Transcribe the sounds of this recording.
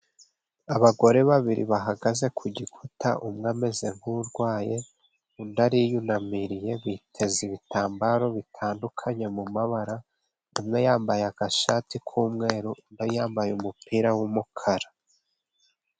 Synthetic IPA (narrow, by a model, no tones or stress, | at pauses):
aβaɡo̞ɾe̞βaβiɾḭβaɦaɡaze̞kʰuɟikʰuta̰ʔumŋame̞ze̞ŋuɾɡwaːje̞ | undaɾijunamiɾije̞βiːtʰe̞ziβitaːmbaɾo̞βitʰaːndukʰaɲe̞mumaβaɾa | nimŋe̞jaːmbajeaɡ̥aʃatikʰuːmŋe̞ːɾundajaːmbajumupiɾawumukʰaɾa